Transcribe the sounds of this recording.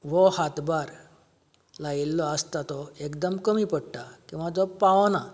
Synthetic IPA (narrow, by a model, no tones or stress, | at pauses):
ʋɔhat̪baɾ | lailːɔəst̪at̪ɔekd̪əmkəmiːpəɽʈakĩw̃ʋad͡zɔpaʋna